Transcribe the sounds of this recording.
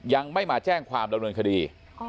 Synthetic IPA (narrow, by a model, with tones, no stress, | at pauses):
ja˧ŋma˥˩jmaː˧t͡ɕɛː˥˩ŋkʰwaː˧mda˧mnɯː˧nkʰa˧diː˧